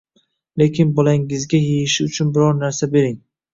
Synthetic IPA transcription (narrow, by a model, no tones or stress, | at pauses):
le̞kʲʰɪnbɒlaŋɪzɡʲajejɪʃɪʊt͡ʃʰʊnbɪɾɒɾnaɾsabe̞ɾɪŋ